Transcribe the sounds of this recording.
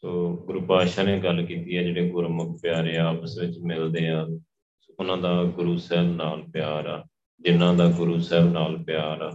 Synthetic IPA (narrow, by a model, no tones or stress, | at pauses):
soːɡʊɾuːpaːʃaːneːɡəlkiːt̪iːɛːd͡ʒeːɽeːɡʊɾmək̚pjaːɾeːaːpəsʋɪt͡ʃmɪld̪eːãː | oːʊnãːd̪aːɡʊɾuːsɛːlnaːlpɪjaːɾaː | d͡ʒɪnãːd̪aːɡʊɾuːsɛːbnaːlpjaːɾaː